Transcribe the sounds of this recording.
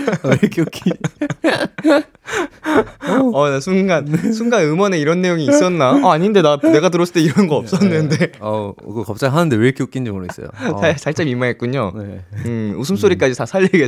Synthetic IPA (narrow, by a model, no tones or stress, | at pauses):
ekok͈ii | ʌnasʰuŋɡansʰuŋɡanɯmʌneiɾʌnːe̞joŋiːs͈ʌnːaaːɲinde̞dane̞ɡatɯɾʌsʰɯɭt͈eiɾʌnnɡʌʌp̚s͈ʌnːɯndeʌkɯkap̚t͡ɕ͈aɡɦanɯnde̞weɭkjok͈iɲd͡ʑimoɾuɡes͈ʌ̰jo̰t͡ɕat͡ɕaɭt͡ɕ͈amimːaɦet̚k͈uɲoɯusʰɯms͈oɾik͈ad͡ʑisʰasʰaʎːiɡe